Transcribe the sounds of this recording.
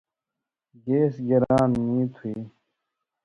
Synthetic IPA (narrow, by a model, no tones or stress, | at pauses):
ɡeːsɡɐɾaːnmĩːt̪ʰuiː